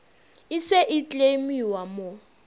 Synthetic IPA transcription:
ɪseʔit͡ɬʼemiwamɔ

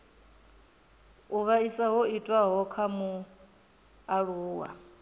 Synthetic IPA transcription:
uβaisaɦoitʼwaɦɔkʰamu | aɺuːwa̰

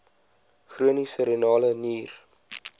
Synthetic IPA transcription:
χruənisəɾenɑːləniːr

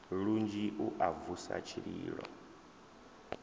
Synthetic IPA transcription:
ɺund͡ʒiʔuʔavusa̰t͡ʃʰiɺiːɺɔ

